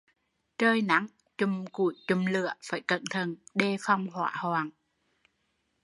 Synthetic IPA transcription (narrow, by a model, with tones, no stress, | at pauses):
t͡ɕəː˧jna̰˧˥ŋ | t͡ɕʊ˨˩mku˧˩˦jt͡ɕʊ˨˩mlɨ̰˧˨əfaː˧˩jkə˧˩nt̪ʰə˨˩nɗe˧fa˧˩wŋ͡mhwa̰ː˧˥haː˨˧˩ŋ